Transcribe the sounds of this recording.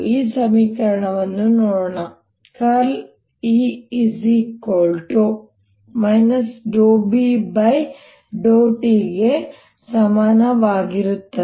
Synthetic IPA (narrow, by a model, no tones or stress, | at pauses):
iːsɐmiːkɐɾɐɳɐʋɐnːunoːɽɳɐ | kɐl | iisikoːlʈo | mɐjnɐsɖoːbibɐj | ɖoːʈiɡe | sɐmaːnɐʋaːɡiɾut̪ːɐ